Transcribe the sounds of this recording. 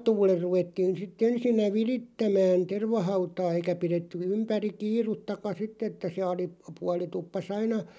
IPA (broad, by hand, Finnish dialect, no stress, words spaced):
tuːler ruʋetːiːn sitː ensinːæ ʋiritːæmæːn terʋɑhɑutɑː eikæ piretːy ympæri kiːrutːɑkɑ sitː etːæ se ɑli puɑli tupːɑs ɑinɑ